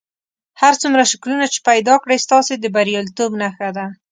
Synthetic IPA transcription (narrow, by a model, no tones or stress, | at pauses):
haɾt͡sumɾaʃɪklunat͡ʃe̥pajd̪ɑkɽəjst̪ɑsed̪əbaɾijɑlit̪obnaxad̪a